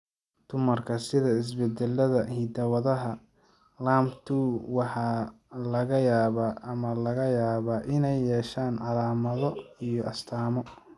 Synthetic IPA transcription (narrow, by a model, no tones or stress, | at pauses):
d̪̥ʊmɐrkʰɐsɪðɐɪs̬bɛd̪ɛlːɐðɐhiːd̪ɐwɐðɐɦɐ | laːmt̪ʰuːwɑħɑː | lɐɣɐjaːβaːmɐlɐɣɐjaːβaːʔɪnɛjːɛːʃaːnʕɑlaːmɐðɔijɔʔɐst̪ʰaːmɔ